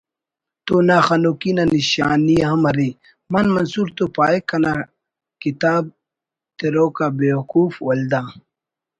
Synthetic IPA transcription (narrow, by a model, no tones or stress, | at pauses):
t̪onaxɐnokinaniɕa̰ːnijaɦɐmɐɾi | mɐnmɐnsuːɾt̪opaːekːɐna | kit̪aːb̚ | t̪eɾoːkabeːwkuːfwɐld̪aː